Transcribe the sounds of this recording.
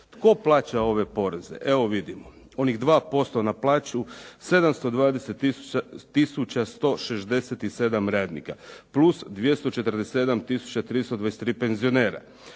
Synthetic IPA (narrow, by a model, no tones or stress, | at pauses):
t̪ko̞plˠaːt͡ɕao̞ʋe̞po̞ɾeze̞̰ʔe̞ʋoʋid̪imo | o̞niɣd̪ʋaːpo̞st̪o̞naplˠaːt͡ɕuse̞d̪amst̪o̞d̪ʋaːd̪eset̪ːiu̥t̪ːisut͡ɕast̪o̞ʃeʃd̪e̞set̪ise̞d̪amɾaːd̪nḭkaplusd̪ʋje̞st̪o̞t͡ʃe̞t̪r̩d̪esee̞d̪amt̪isu̥t͡ɕat̪ɾiːst̪od̪ʋaese̥t̪ɾiːpe̞nzio̞neːɾa̰